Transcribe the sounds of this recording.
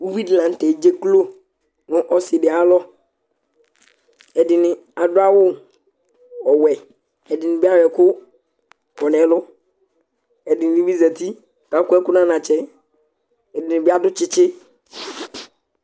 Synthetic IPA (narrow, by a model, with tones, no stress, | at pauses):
wu˦wi˦dlã˨n˦tɛ˨d͡ʒe˦klo˦ | nʊ̃˦ʔɔ˦sɪ˨dɪ˨a˦lɔ˦ | ɛ˨dɪ˨nɪ̃˨ | a˨dʊ˦a˦wʊ˦ | ɔ˨wɛ˨ | ɛ˨dɪ˨nɪ̃˨bi˦a˦ɾɛ˨kʊ˦ | kɔ˨nɛ̃˨˦lʊ˦ | ɛ˨dɪ˨nɪ˨ĩ˦wi˦za˨tʰi˦ | ka˨˦kʊ˦ɛ˦kʊ˦nã˦nã˨t͡ʃʰɛ˦ | ɛ˨dɪ˨nɪ̃˨bɪ˦a˦dʊ˦t͡ʃɪ˦t͡ʃɪ˦